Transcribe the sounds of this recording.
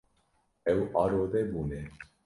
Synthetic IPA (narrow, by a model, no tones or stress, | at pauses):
ɛwʔɑːɾoːðɛbuːnɛ